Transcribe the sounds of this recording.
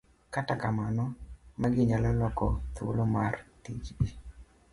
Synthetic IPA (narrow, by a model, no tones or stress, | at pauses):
katakamanɔmaɡɪɲalɔlɔkɔt̪o̰lomartit͡ʃdi